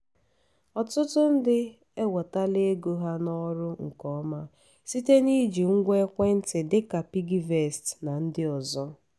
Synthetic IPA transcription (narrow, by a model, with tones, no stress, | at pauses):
ɔ˨tʊ˦tʊ˦n̩˦dɪ˦ | e˦wɔ˨ta˦le˦e˦ɡo˦ɦa˦nɔ˦ɾʊ˦ŋ̩˨kɔ˦ma˦ | si˦te˦ni˦d͡ʒi˨ŋ̩˦ɡʷe˦kʷe˦n̩˦tɪ˨dɪ˦ka˨pi˦ɡi˦ve˨stna˨n̩˦dɪ˦ɔ˨zɔ˦